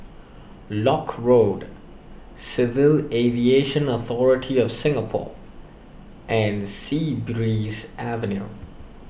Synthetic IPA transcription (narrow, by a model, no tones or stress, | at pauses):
lɔkʰɹod | sɪvɪlevieʃə̃nɔθɔɹɪtʰiɔfsɪ̃ŋəpʰɔ̰ | ʔɛ̃nsibɹisʔævə̃njṵ